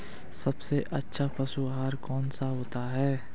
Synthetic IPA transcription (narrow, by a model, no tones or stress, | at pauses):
sɐbseʔɐtːʃʰapʰɐsuɦaːɾkɔːnsaɦoːt̪aɦɛː